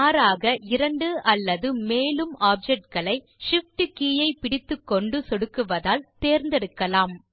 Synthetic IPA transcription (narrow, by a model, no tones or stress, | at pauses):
aːɾaːɣɐʔɪɾɐɳɖɯʔɐlːɐðɯmeːlɯmaːp̚d͡ʒɛʈ̚kɐɭɐɪ | ʂɪfʈɯkiːjɐɪpɪɽɪt̪ːɯkːɔɳɖɯsɔɽɯkːɯʋɐðaːlt̪eːɾnd̪ɛɽɯkːɐlaːm